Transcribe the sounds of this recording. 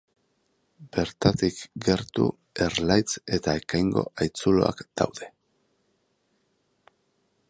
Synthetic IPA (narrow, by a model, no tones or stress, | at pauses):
b̥e̞ɾt̪at̪ikɡe̞ɾt̪ṵ | e̞ɾlajt͡se̞t̪ae̞kajŋɡo̞̰ʔajt͡sulo̞a̰kd̪̥a̰wðe̞